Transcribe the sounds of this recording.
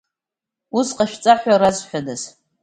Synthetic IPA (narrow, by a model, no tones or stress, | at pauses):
uzqʼaʃᶣt͡sʼaħʷarazħʷᶣadaz